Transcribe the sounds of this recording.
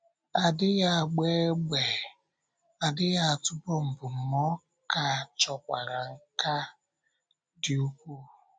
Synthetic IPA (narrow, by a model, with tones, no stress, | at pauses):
a˨dɪ˦ja˦˨ɡ͡be˦ɡ͡be˨ | a˨dɪ˦ja˦a˨tʊ˦bɔ˦m̩˨bʊ˨m̩˨mɔ˦ | ka˨t͡ʃɔ˨kʷa˨ɾa˨ŋ̩˦ka˦ | dɪ˦u˦kʷu˦